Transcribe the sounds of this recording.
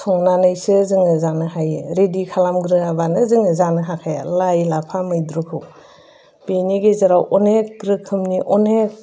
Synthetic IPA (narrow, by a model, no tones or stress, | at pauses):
sʰɔŋnanajsɯzɯŋɯzanɯɦajeɾedikʰalamɡɾɯabanɯzɯŋɯzanɯɦakʰaja̰lajlapʰamɯjdɾukʰɯw | b̥eniɡezaɾawʔɔnek̚ɡɾɯkʰɯmniʔɔnek̚